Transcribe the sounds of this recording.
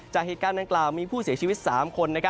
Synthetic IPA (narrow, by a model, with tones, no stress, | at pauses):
t͡ɕaː˨˩k̚heː˨˩t̪̚kaː˧ndaː˧ŋklaː˨˩wmiː˧pʰuː˥˩si˩˦t͡ɕʰiː˧wi˦˥t̪̚saː˩˦mkʰo˧nːa˦˥kʰa˦˥